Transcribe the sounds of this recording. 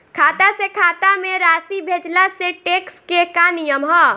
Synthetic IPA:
kʰaːt̪asekʰaːt̪ameɾaːsibʱed͡ʒlaseʈekskekanijəmɦɔ

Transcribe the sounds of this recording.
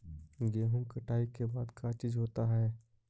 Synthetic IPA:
ɡeːɦʊ̃ŋkɐʈʰaːikebaːd̪kat͡ʃiːzɦoːt̪aɦɛː

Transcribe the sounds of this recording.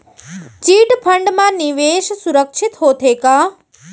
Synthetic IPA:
t͡ʃiːʈpʰəɳɖmãniʋeːʃsuɾəkʃʰit̪ɦot̪ʰeka

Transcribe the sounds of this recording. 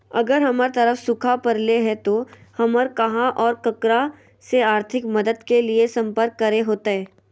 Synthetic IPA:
ɐɡəɾɦɐməɾt̪ɐɾəfsʊkʰapɐɾleɦɛt̪ohɐməɾkɐɦãʔɔːɾkɐkɾa | seaːɾt̪ʰɪkmɐd̪əd̪keliesɐ̃mpəɾkːɐɾeɦoːt̪aɦɛː

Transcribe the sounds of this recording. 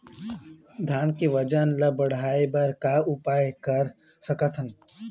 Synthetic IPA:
d̪ʱjaːnkiʋəd͡ʒənləbəɽ̤aːebɐɾkaʊpaːjekɐɾ | səkət̪ʰən

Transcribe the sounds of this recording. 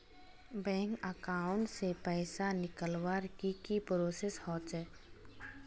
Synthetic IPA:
bɛ̃ːŋkəkaːʊ̃ɳʈsepɛːsanɪkəlwaɾkikipɾoːseshɔːt̪ɛː

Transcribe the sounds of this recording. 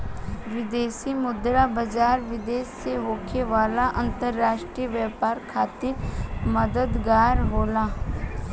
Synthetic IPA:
ʋɪd̪eːsimʊd̪ɾabəd͡ʒaːɾʋɪd̪eːsːeɦoːkʰeʋaːlaʔə̃nt̪əɾːaːʃʈɾijəʋjɛːpaːɾkʰaːt̪ɪɾməd̪əd̪ɡaːɾɦoːlaː

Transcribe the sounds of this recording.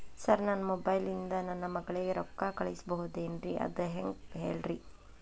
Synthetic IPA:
sɐɾnɐnːɐmɔbɐjlind̪ɐnɐnːɐmɐɡɐɭiɡeɾɔkːakɐɭisbɐɦud̪enɾiʔɐ̰d̪ɐɦeŋɡɦḛːɭɾi

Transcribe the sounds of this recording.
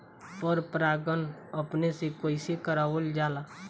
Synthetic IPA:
pɔɾpɾaːɡənəpnesekoːɪsekəɾaːʋəld͡ʒaːlaː

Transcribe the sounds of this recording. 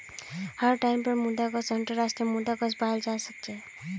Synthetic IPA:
hʌɾʈajmpəɾmud̪aɡʌsʌnʈəɾasʈɾiəmud̪aɡʌsbaɦld͡ʒasʌk̚t͡ʃʰɛ

